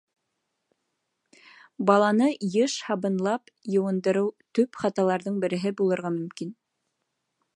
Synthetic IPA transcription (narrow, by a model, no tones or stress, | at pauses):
bɑlˠɑnɤjɤʃhɑβɤ̆nlˠɑp | jɤ̆wɤ̆nd̪ɤ̆ɾɤwt̪ɵpχɑt̪ɑlˠɑɾðɤɴbɘ̆ɾɘ̆ɦɘbulˠɤ̆ɾʁɑmɵ̆mkin